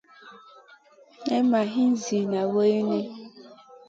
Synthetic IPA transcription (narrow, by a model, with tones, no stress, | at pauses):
ne˦ma˨ɦi˦n̩˦zi˨na˨we˦i˦ne˦